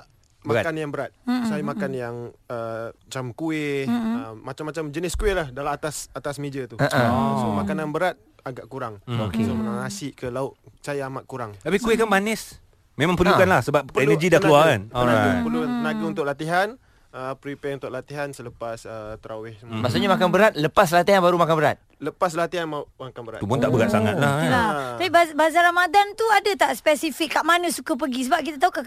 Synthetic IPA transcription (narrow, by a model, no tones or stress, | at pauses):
makanjaŋbəɾat̪̚sajamakanjaŋət͡ʃamkuɪəːat͡ʃamːat͡ʃamd͡ʒənɪskuɪʔlahdalaat̪asat̪asmẽd͡ʒat̪uɔsomakananbəɾat̪̚aɡaʔkuɾaŋoksomənaŋasɪʔkəlaʊʔsajaamaʔ̚kuɾaŋt̪apikuɪkanbanɪs | mẽmãŋpərlukanlahsəbap̚əɛnəɡidahkkəluaanoɾapəlunaɡəunt̪ʊk̚ʔlat̪iɦan | əpɾipɛunt̪ʊʔlat̪iɦansələpasət̪əɾawɪhmaʔsaɲamakanbəɾat̪̚ləpas̬lat̪iɦanbaɾumakanbəɾat̪̚ | ləpas̬lat̪iɦanmaʔakanbəɾa̰t̪upʊnt̪aʔbəɡat̪̚saŋa̰t̪̚laaapibabazaɾamadant̪uadat̪aʔspɛsifikːaʔmanə̃sukap̬əɡis̬əbap̚kit̪at̪auka